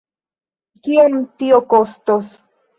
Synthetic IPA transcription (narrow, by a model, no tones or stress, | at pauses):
kient̪iokost̪os